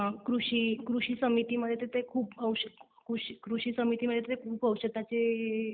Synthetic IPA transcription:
kɾuɕiːkɾuɕiːsəmit̪iməd̪ʱjet̪ːet̪ekʰuːpəwɕə | kuʂikɾuɕiːsəmit̪iməd̪ʱjet̪et̪ekʰuːpəwɕət̪ːat͡se

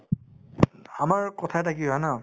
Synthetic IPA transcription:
amaɹkɔtʰatʰakiɔana

